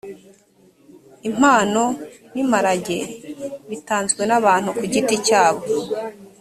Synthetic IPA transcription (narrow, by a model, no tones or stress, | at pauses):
im̥aːno̞ | nimaɾaɟe̞βitaːnzɡwe̞naβaːn̥hukuɟiticaːβo